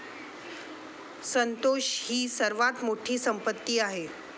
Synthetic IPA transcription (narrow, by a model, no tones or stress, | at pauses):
sənt̪oɕhiːsəɾʋat̪moʈʰiːsəmpət̪ːiːaɦe